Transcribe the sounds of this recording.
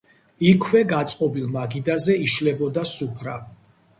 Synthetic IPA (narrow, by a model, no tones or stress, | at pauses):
ikʰwɛɡat̪sʼqʼɔbilˠmaɡid̪azɛiʃlɛbɔd̪asupʰɾa